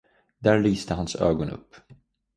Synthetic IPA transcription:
d̪æɾlyːst̪ʰəɦansø̰ːɡɔnɵ̰pː

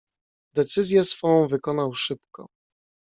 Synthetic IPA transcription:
d̪ɛt̪sɘzʲjɛsfɔ̃w̃vɘkɔnawʂɘpkɔ̰

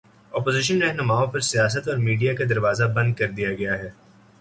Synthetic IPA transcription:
ɔːpoːzɪʃ̬ənɾɛɦnʊmaːõpɐɾsijaːs̬ət̪ɔːɾmiːɖijakad̪ɐɾʋaːzabɐ̃nd̪̚kɐɾd̪ijaɡɐjaɦɛː

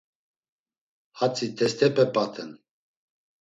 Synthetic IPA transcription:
hat͡sʼit̪ʰɛst̪ʰɛpʼɛpʼat̪ʰɛn

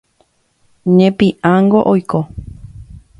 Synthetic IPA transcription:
ɲẽpĩʔãŋɡo̞ʔojko

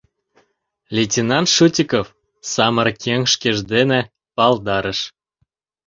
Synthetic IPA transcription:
lʲetʲinɑnt̪ʃutʲikof | sɑmərkʲʰeŋʃkeʒd̪ene | pɑld̪ɑɾəʃ

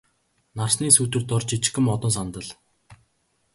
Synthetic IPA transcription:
narsniːsuːt̪ɘ̆rt̪ʊrt͡ɕit͡ɕ̆xɘ̆mɔt̪ɞ̆ns̬ant̪ə̆ɮ

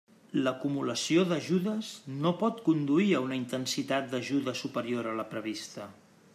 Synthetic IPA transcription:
ləkumuləsioðəʒuðəznopɔt̪kund̪uiəunəint̪ənsit̪at̪̚d̪əʒuðəsupəɾioɾələpɾəβ̞ist̪ə

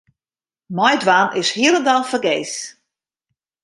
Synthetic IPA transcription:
mɔjdwaːnʔɪshiəɾəndalfərɡeːs

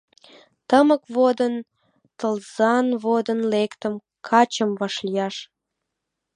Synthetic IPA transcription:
t̪əməkβod̪ən | t̪əlzɑnβod̪ənlekt̪əm | kʰɑt͡ɕəmvɑʃlijɑʃ

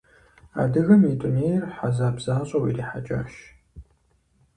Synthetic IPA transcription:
a̰ːdɨɣɐmitʷʼʊneːjrħazaːbz̥aːɕʼɐwḭːriːħa̰t͡ʃʼa̰ːʃ

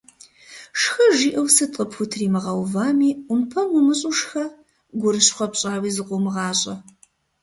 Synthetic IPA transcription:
ʂxɐʒiːʔɐwsɨtʼqʼəpxʷʊtʰriːmɨʁɐwvaːmiːʊmpʰɐmʊmɨɕʼuʂxɐ | ɡʷʊɾɨɕχʷɔpɕʼaːwiːzɨqʷʊmɨʁɑːɕʼɐ

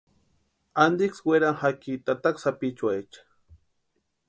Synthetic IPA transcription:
and̪iksweɾanxakit̪at̪aksapit͡ʃwet͡ʃḁ

